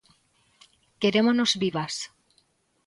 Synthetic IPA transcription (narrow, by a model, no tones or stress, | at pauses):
ke̞ɾe̞mono̞zβiβas